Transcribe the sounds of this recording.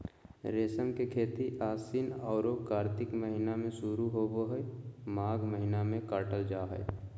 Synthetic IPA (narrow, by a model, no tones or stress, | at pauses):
ɾeːsəmkekʰeːt̪iʔaːsinɔːɾokaːɾt̪ɪkməɦɪnamẽsuɾuɦoboɦəmaːɡməɦɪnamẽkaːʈəld͡ʒaːɦɛ̰ː